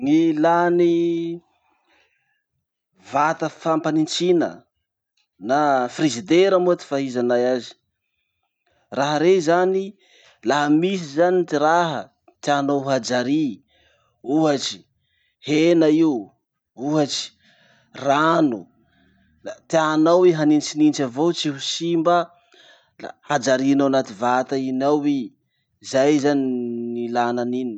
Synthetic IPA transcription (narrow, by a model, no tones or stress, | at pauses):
ŋilani | vat̪əfampanint͡sinə̰ | nafrizid̪eɾamuat̪i̥faɦizanajazi̥ | raɦəɾezani | laɦəmis̬izanit̪iɾaɦə | t̪ianoɦad͡ʒaɾi | uɦat͡ʃi̥ | henaiu | uɦat͡ʃi̥ | ranu | t̪anaweɦanint͡ʃinint͡ʃavot͡siɦusimbə | had͡ʒaɾinawanat̪ivat̪ainawi | zajzaninilananini